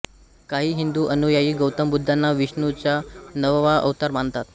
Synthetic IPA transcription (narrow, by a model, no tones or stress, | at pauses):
kaɦiːɦind̪uːʔənujajiːɡəwt̪əmbud̪ʱːanːaʋiʂnut͡ɕjanəʋʋaʔə̰ʋt̪aɾmaɳt̪at̪